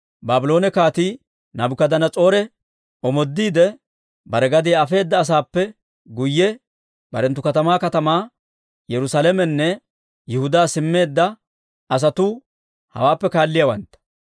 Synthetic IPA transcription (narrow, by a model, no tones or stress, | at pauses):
baːbɪlo̞ːnɛkaːt̪i | nɐbʊkɐd̪ɐnɐt͡sʼo̞ːɾɛ | ɔmɔd̪ːiːd̪ɛ | bɐɾɛɡɐd̪iɐfe̞ːd̪ːɐːs̬aːpːɛ | ɡʊjːɛ | bɐɾɛnt̪ːʊkɐt̪ɐmaːkɐt̪ɐmaː | jɛɾʊsalɛmɛnːɛ | jɛhʊd̪aːsɪmːe̞ːd̪ːɐ | ɐs̬ɐt̪ʊ | hɐ̰waːpːɛkaːlːɪjɐwɐnt̪ːɐ̥